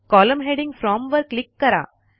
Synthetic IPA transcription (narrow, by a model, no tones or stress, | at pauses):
kɔːlə̃mɦɛɖɪ̃ŋfɾɔ̃ːmʋɐɾklɪkːɐɾa̰ː